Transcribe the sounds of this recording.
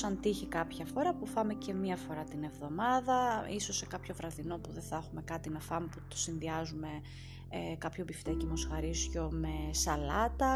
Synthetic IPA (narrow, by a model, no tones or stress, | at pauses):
ɐnt̪içikɐpçɐfo̞ɾɐpufɐme̞ce̞mɐfo̞ɾɐt̪ine̞vðo̞mɐðɐiso̞sːekɐpço̞vɾɐðino̞puðeθɐxume̞kɐt̪inɐfɐmeput̪o̥sinðiɐzume̞ | kɐpçobift̪ecimo̞sxɐɾisço̞me̞sɐlɐt̪ɐ